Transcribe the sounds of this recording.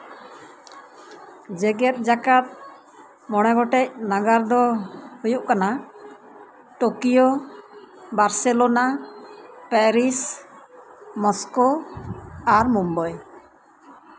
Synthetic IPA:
d͡ʒɛɡɛt̪̚d͡ʒakat̪̚ | mɔɽ̃ɛɡɔʈɛc̚naɡaɾd̪ɔhujuʔkana | ʈokijo | baɾsɛlona | pɛɾis | mɔsko | aɾmumbɔj

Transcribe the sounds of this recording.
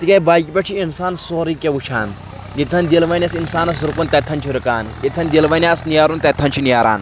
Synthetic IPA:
t̪ikʲɐjbaːjikʲipʲɐt͡ʃʰiinsaːnsoːɾikʲeʋut͡ʃʰa̰ːn | ɡit̪ʰːɐnd̪ilʋɐnʲɐsinsaːnɐsɾɨkunt̪ɐt̪ʰɐnt͡ʃʰiɾɨkaːnɡit̪ʰɐnd̪ilʋɐnʲjaːsnijaːɾunt̪ɐt̪ʰɐnt͡ʃʰinijaːɾa̰ːn

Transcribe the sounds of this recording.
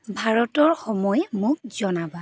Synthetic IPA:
bʱaɹɔtɔɹxɔmɔjmʊk̚z̥ɔnaba

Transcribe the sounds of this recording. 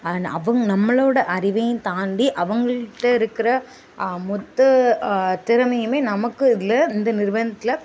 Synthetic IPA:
ɐʋɐŋɡnɐmːɐɭoːɽɐʔɐɾɪʋɐjɯ̃t̪aːɳɖiʔɐʋɐŋɡɐɭʈːɐɪɾɯkːɪɾɐ | mɔt̪ːɐ | t̪ɪɾɐmɐjɯmeːnɐmɐkːɯɪðɪlːɐɪnd̪ɐnɪɾʋɐnɐt̪ːɪlɐ

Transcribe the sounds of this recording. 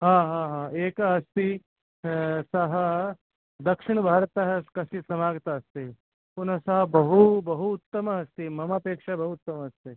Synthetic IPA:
ɦãːɦãːɦãːeːkɐst̪i | sɐɦɐ | d̪ɐkʂɪɳ̃ɐbʱaːɾɐt̪ɐɦɐkɐsisɐmaːɡt̪ɐɐst̪i | punɐsɐɦɐbɐɦubɐɦuːt̪ːɐmɐɐst̪imɐmapeːkʂɐbɐɦuːt̪ːɐmɐɐst̪i

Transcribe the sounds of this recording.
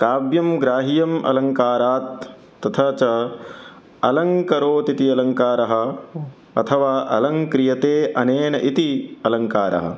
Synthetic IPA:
kaːbjɐmɡɾaːɦijɐmʔɐ̰lɐŋkaːɾaːt̪ː | ɐt̪ʰɐt͡ʃɐ | ɐlɐŋkɐɾoːt̪it̪iɐlɐŋkaːɾɐɦɐ̆ | ɐ̰t̪ʰɐʋaːʔɐ̰lɐŋkɾijɐt̪eːʔɐneːnɐʔit̪iɐlɐŋkaːɾʔɐ̰ɦɐ̰

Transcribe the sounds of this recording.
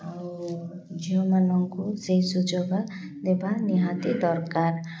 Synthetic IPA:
d͡ʒiɔmanɔŋkusejsud͡ʒɔɡa | d̪ebaniɦãt̪id̪ɔɾkar

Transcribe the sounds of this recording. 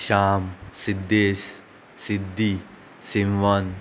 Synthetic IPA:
ʃaːmsid̪ːeːs | sid̪ʱːi | simʋɐn

